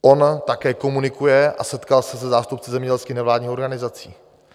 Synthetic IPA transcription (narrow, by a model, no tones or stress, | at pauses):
ʔo̞nt̪akɛːko̞munɪkujɛʔasɛt̪kalsɛs̬ɛzaːst̪up̚t͡sɛzɛmɲɛɟɛlskiːxnɛvlaːdɲiːxo̞ɾɡanɪzat͡siː